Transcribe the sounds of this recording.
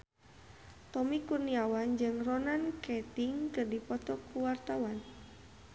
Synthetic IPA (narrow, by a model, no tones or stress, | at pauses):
t̪ɔmikurniawand͡ʒɨŋrɔnankɛt̪iŋkɨrdipɔt̪ɔkːuwart̪awan